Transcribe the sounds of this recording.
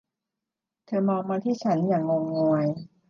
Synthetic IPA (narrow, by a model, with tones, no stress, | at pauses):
t̪ʰɤː˧mɔː˧ŋmaː˧t̪ʰiː˥˩t͡ɕʰa˦˥njaː˨˩ŋːo˧ŋːɔː˧əj